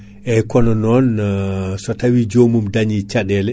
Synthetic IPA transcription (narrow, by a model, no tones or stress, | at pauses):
ʔɛkɔnɔnɔn | sɔtawid͡ʒomumdaɲit͡ʃaɗɛlɛ